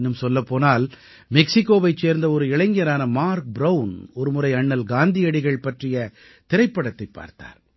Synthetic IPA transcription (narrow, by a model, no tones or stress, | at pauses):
nːɯmsɔlːɐpːoːnaːl | mɛksɪkːoːʋɐɪt͡ʃːeːɾnd̪ɐɔɾɯɪɭɐɪŋɡɪjɐɾaːnɐmaːɾk̚bɾɐʊnɔɾɯmɯɾɐɪɐɳːɐlɡaːnd̪ɪɐɽɪɣɐɭpɐʈrɪjɐ | t̪ɪɾɐɪpːɐɽɐt̪ːɐɪpːa̰ːɾt̪a̰ːɾ